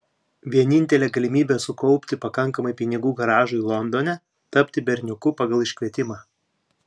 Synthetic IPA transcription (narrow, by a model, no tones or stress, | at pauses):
ʋʲiɛnʲɪnʲt̪ʲɛlʲɛːɡɐlʲɪmʲiːbʲɛːsʊkɔʊpʲt̪ʲɪpɐkɐŋˑkɐmɐɪpʲɪnʲɪɡuːɡɐɾɑːʒʊilˠɔnd̪oːnʲɛ | t̪ɐpʲt̪ʲɪbʲɛɾʲnʲʊkʊpɑɡɐlˠɪʃʲkʲʋʲiɛt̪ʲɪmɑː